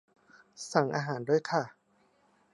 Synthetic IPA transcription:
sa˨˩˦ŋʔaː˧ɦaː˩˦nduː˥˩əjkʰa˥˩

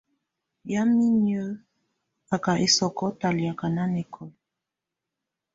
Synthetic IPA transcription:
ja˦mi˦ɲjə˦ | a˨ka˨ʔe˨sɔ˨kɔ˦ta˨li˨a˨ka˨na˦nɛ˨kʰɔ˨

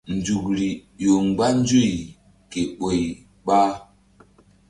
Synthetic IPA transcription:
n˨d͡ʒu˨kɾi˨jo˨ŋ˨ɡ͡ba˦n˦d͡ʒu˦˨j | ke˨ɓo˨j | ɓa˦

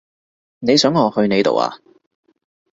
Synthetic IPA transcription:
ne˨˧jsœː˨˥ŋːɔː˨˧hɵ˧ɥne˨˧jt̪o̰˨wa̰ː˨˧

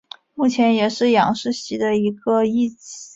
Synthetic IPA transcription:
mu˥˩t͡ɕʰjɛ˧˥njɛ˨˩ʂɻ̩˥˩jɑ̰˨˩ŋʂɻ̩˥˧ɕi˧˥d̪ə˧i˧˥ɡə˧i˥˩t͡ɕi˧˩˦

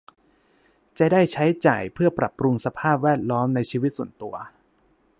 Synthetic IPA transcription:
t͡ɕa˨˩daː˥˩jt͡ɕʰa˦˥jt͡ɕa̰ː˨˩jpʰɯ˥˩ɐpɾa̰˨˩pːɾu˧ŋsa˧pʰaː˥˩p̚wɛː˥˩t̪̚lɔː˦˥mna˧jt͡ɕʰiː˧wi˦˥t̪̚su˨˩ənt̪u˧ɐ

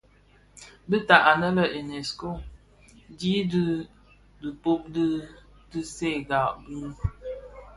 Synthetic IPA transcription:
bi˦ta˨ʔa˨nə˦lə˨ʔi˨ne˨sko˦˨ | di˦dɨ˦ | dɨ˨po˦p̚dɨ˦ | tɨ˦se˦˨ɡa˨ʔbɨ˦

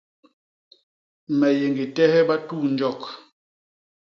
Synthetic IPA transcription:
mɛ˨je˨ŋɡi˨tɛ˦hɛ˦ba˦tuː˦˨n˦d͡ʒɔ˦˨k̚

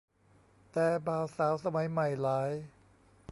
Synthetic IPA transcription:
t̪ɛː˨˩baː˨˩wsaː˩˦wsa˧ma˩˦jma˨˩jlaː˦˥j

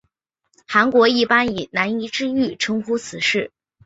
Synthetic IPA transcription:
xa˧˥nkwɔ˧˥i˥˩pa˥ni˨˩na˧˥ni˧˥ʈ͡ʂɻ̩˥y˥˩ʈ͡ʂʰɤ˥ŋxu˥t͡sʰɹ̩˨˩ʂɻ̩˥˩

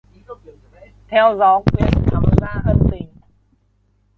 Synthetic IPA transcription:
t̪ʰɛ˧wzɔ˨˦kwi˧˩ənt̪ʰa̰ː˨˩wzaː˧ʔə˧nt̪ï˨˩ŋ̟

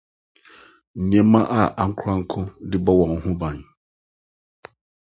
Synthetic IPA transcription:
ɲ̩˨ɲɛ̃˦mã˦ʔa˦ʔa˨ŋ̩˦kʰa˦ŋ̩˦kʰʊ̃˦dɪ˦bɔ˦wɔ̃˨ŋ̩˨hʊ̃˦bã˨ɲ

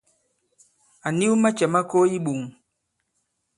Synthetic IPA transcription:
a˨ni˦wu˦ma˦t͡ʃɛ˨ma˦ko˦i˦ɓu˨ŋ

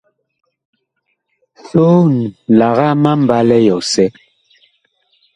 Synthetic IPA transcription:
ɬo˦n˨la˨ɣa˦ma˦m̩˨ba˦lɛ˦jɔ˨sɛ˦

